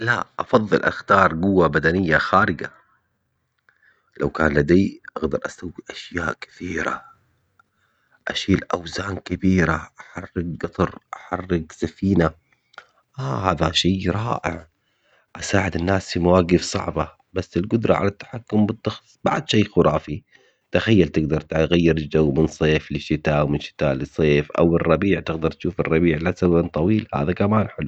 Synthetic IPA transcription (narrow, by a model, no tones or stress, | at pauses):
laʔɑfɑðˤːɨ̰lʔa̰xt̪ɑːɾˤɡʊwːabad̪anɪjːaxaːɾɪɡa̰ | lawkaːnlad̪eːʔaɣd̪ɑɾˤʔasawːiʔaʃjaːʔkɪ̥θiːɾa̰ | ʔa̰ʃiːlʔawzaːnkɪbiːɾaʔaħɑrːɪɡ̚ɡɑt̪ˤɑɾˤʔaħɑrːɪɡsafiːna | ʔaːhaːðaʃaːɾˤɑːʔɪ̰ʕ | ʔasaːʕɪd̪ɪnːaːsfimawaːɡɪfsˤɑ̰ʕba | basːɪlɡʊd̪ɾˤɑ̰ʕa̰lat̪ːḁħakːʊmbɨt̪ˤːɑxsˤbaʕd̪ʃeːxʊɾˤʔɑːfi | t̪axajːalt̪ɪɡd̪ɑɾˤt̪ɣajːɪɾɪd͡ʒawːmɪnsˤeːflɪʃɪt̪aːwmɪnʃɪ̥t̪aːlɪsˤeːfʔa̰wɪrˤːɑbiːʕt̪ɪɡd̪ɑɾˤt̪ʃuːfɪrˤːɑbiːʕlasawant̪ˤɑwiːlha̰ːðakamaːnħɪlu